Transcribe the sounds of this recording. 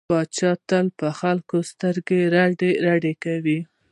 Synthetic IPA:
ɑt͡ʃɑt̪əlpəxalkost̪əɾɡeɾaɖeɾaɖekawi

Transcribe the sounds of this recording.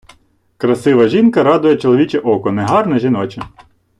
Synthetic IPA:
kɾɐsɪʋɐʒinkɐɾɑd̪ʊjɛt͡ʃɔlˠɔʋʲit͡ʃɛʔɔkɔnɛɦɑrnɛʒʲinɔt͡ʃɛ

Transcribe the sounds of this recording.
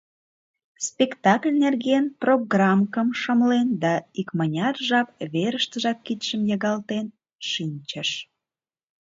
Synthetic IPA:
spʲekt̪ɑklʲnerɣenproɡrɑmkəmʃəmlend̪ɑikmənʲɑrʒɑpβeɾəʃt̪əʒɑkːit̪ʃəmjɑɣɑlt̪en | ʃinʲt͡ɕəʃ

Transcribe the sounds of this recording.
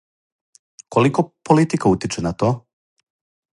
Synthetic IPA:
kolikopolit̪ikaut̪it͡ʃenat̪oː

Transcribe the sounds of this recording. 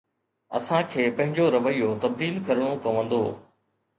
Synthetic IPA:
ɐ̰sãkʰeːpɐ̃ɦɪ̃ɲd͡ʑoɾɐʋəijːot̪ɐb̚d̪iːlkɐɾəɽ̃okɐʋə̃nd̪oː

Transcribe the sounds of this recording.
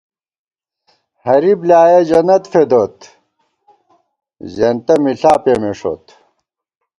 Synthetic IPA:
hɐɾiblaːjɐd͡ʑɐnɐt̪fed̪ot̪ | zent̪ɐmiɬaːpemeʂo̰t̪

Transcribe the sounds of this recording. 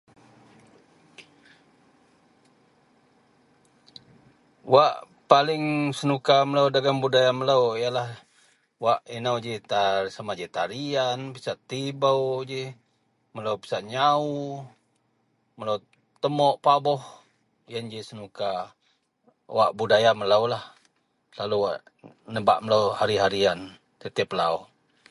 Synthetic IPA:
waʔ | palɪŋsənukaməlaudaɡambudajaməlawijalah | waʔinawd͡ʒit̪asamad͡ʒit̪aɾianpisaʔt̪ibauwd͡ʒi | məlaupi̥saʔɲau | məlaw | t̪əmɔʔpabɔh | jənd͡ʒisənuka | wa̰ʔbudajaməlaulah | laluwa̰ʔ | nəba̰ʔməlauhaɾiɦaɾian | t̪ət̪ɛpəlau

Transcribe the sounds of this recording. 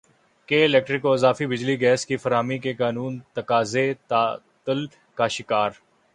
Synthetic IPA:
keːɪlɛːk̚ʈɾɪkoɪzaːfibɪd͡ʒliɡɛːskifɐɾaːmikekaːnuːnt̪ɐkaːzet̪aː | t̪əl | kaʃɪkaːɾ

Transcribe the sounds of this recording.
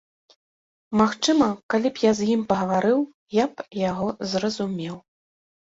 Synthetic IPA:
maxt͡ʂɨmɐkalʲipjazjimpɐɣɐvaɾɨw | japjaɣɔzrɐzumʲɛw

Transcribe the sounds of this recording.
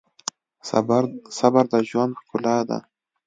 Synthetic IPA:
sabaɾd̪aʒwand̪̚kʊlad̪a̰

